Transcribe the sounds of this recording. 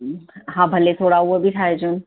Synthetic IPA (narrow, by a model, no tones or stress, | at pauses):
ɦãbʱəlet̪ʰoɽauəbʱiʈʰaɦed͡ʒun